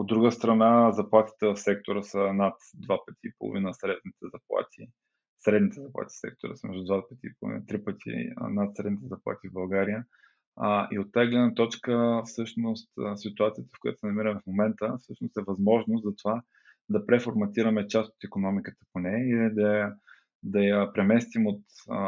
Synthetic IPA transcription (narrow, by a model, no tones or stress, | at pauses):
od̪ːɾuɡəst̪ɾɐnazɐplˠat̪i̥t̪ɛvfsɛk̚t̪oɾəsənat̪d̪vapət̪ʰʲiːpo̰lˠo̰vinəsɾɛd̪nit̪ɛzɐplˠa̰t̪ʰḭ | sɾɛd̪nit̪ɛzɐplˠa̰t̪ʲi̥sɛ̰k̚t̪o̰ɾə̰smɛ̰ʒd̪ʊd̪vapə̥t̪ʲiːpo̰lˠʊ̰vḭnət̪ɾipət̪ʰḭnat̪sɾɛd̪nit̪ɛzɐplˠa̰t̪ivbɐlˠɡaɾijə | ḭot̪ːajəɡlɛd̪nət̪ɔt͡ʃkəfsɤʃnʊst̪sit̪ʊat̪sijət̪əfkoʊjat̪o̥sɛnɐmiɾəmɛfmomɛnt̪əfsɤʃnost̪ɛvɐzmɔʒnʊst̪zɐt̪ova | d̪ɐpɾɛfoɾmɐt̪iɾɐmɛt͡ʃast̪o̥t̪ikonɔmikət̪ə̥ponɛiid̪ɐ | d̪ɐjɐpɾɛmɛst̪imot̪